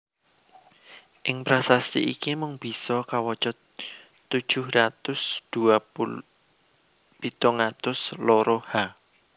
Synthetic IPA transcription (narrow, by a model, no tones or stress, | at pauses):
ʔɪŋpɾasast̪ḭʔikimʊŋb̥i̤sɔkawɔt͡ʃɔt̪ː | ud̥ʒ̥ʊ̤hrat̪ʊsd̪̥ua | b̥it̪ɔŋat̪ʊsloɾoha